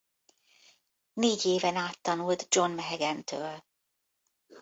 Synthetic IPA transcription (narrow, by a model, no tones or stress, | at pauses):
neːɟeːvɛnaːt̪ːɒnult̪d͡ʒo̞nmɛɦɛɡɛnt̪ʰøːl